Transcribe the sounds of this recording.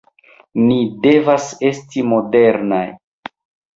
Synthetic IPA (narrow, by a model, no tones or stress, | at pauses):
nide̞vase̞stimo̞de̞ɾna̰j